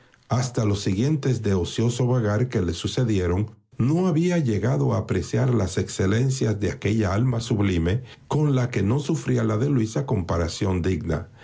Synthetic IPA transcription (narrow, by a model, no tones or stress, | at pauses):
ast̪alo̞sːiɣje̞nt̪e̞zd̪e̞o̞sjo̞so̞βaɣaɾke̞le̞suse̞ðje̞ɾo̞ŋ | no̞aβiaʝe̞ɣaðo̞aːpɾe̞sjaɾlase̞kse̞le̞nsjazðe̞ake̞ʎaalmasuβlime̞ | ko̞nlake̞no̞sufɾialaðe̞lwisako̞mpaɾasjo̞nd̪iɡna̰